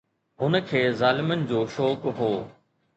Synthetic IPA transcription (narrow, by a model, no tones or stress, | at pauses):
ɦʊnə̆kʰeːzaːlɪmənɪ̆d͡ʑoːʃɔːkɦoː